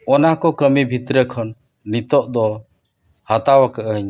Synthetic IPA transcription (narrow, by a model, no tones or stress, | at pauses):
ɔnakɔkəmibʱit̪ɾəkʰɔnː | it̪ɔʔd̪ɔ | hat̪awakəʔəɲ